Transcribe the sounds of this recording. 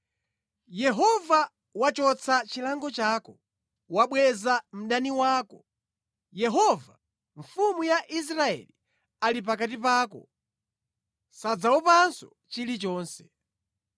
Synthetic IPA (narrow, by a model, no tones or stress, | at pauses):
jɛɦɔva | wat͡ʃɔt͡sʰat͡ʃilaŋɡɔt͡ʃaːkɔ | waɓwɛzam̩ɗaniwaːkɔ | jɛɦɔva | ɱfumujaʔis̬ɾaɛ̰li | alip̬akat̬ip̬aːkɔ̰ | sad͡zaɔpansɔ | t͡ʃilit͡ʃɔːnsɛ̥